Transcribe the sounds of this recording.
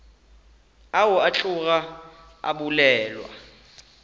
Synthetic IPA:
awʊat͡ɬʼuk̬a | a̰ɓulɛːlwa̰

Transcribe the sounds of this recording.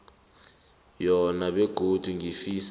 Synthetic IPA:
jɔnaɓeɡ̥ʱod̥ʱuŋʱifis

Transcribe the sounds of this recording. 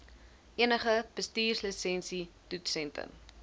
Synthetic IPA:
ʔiənəχəb̥əstiːrsləsɛnsitutsɛntə̰m

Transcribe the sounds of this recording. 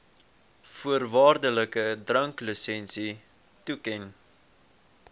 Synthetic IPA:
fuərvɑːrdələkədrəŋkləsɛnsi | tukɛn

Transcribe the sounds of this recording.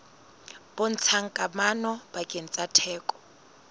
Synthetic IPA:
b̥ʊn̩t͡sʰaŋ̩kʼamanɔbakʼen̩t͡sʼatʰɛːkʼɔ̥

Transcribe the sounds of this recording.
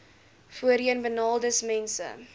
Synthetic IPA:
fuəɾiənbənɑːlˠdəsmɛnsə̰

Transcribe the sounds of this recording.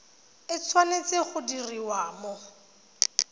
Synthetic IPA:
ɪt͡sʰwanet͡seχʊdiriwaːmɔ

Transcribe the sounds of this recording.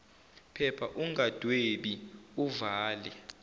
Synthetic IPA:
pʰɛpʰaʔuŋɡad̥ʱweɓiuvaːlɛ

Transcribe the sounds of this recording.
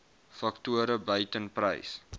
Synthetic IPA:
fɐktuəɾəbœɥtənprə̰js

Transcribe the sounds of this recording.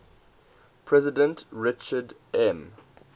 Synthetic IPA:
pʰɹɛzɪdə̃ntɹɪt͡ʃəd | ʔɛ̃m

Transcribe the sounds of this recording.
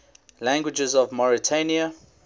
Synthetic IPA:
læ̃ŋɡwɪd͡ʒəzɔvmɔɹitʰeniə

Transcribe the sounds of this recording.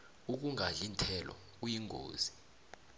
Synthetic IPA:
uk̬uŋʱaɮintʰɛlɔ̰ | ujiŋʱo̰ːzi

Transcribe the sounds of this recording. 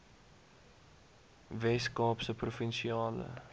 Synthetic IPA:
vɛskɑːpsəprofɛnʃiɑːlə̰

